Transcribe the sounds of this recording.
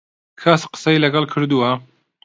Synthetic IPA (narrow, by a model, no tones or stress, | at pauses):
kʰaːsqə̥sɐjlɐɡɐlˠkʰɨɾd̪uwɐ